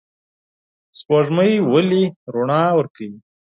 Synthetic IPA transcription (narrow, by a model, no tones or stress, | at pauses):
spoʐməjwəliɾuɳɑwəɾkawi